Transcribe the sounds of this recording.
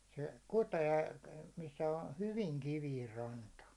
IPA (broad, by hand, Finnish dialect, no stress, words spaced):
se kuteː misːæ ə hyʋiŋ kiʋiːr rɑntɑ